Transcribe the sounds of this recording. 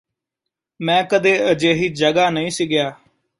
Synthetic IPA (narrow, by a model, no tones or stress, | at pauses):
mɛ̃ːkəd̪eːəd͡ʒeːɦiːd͡ʒəɡaːnəĩːsiːɡɪjaː